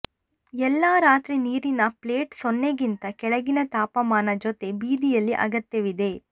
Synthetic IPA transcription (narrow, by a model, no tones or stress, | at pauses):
ɛlːaːɾaːt̪ɾiniːɾinɐpleːʈsonːeɡint̪ɐkɛɭɐɡinɐt̪aːpɐmaːnɐd͡ʒot̪e̞biːd̪ijɐlːiʔɐ̰ɡɐt̪jɐʋid̪e̞